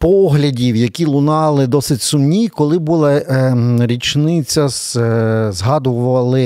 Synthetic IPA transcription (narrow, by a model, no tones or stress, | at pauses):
pɔɦlʲɐdʲiwjɐkʲilˠʊnɑlˠɪd̪ɔsɪtʲsʊmnʲikɔlˠɪbulˠɛ | ɾʲit͡ʃnɪt͡sʲɐs | zɦɑd̪ʊʋɐlˠɪ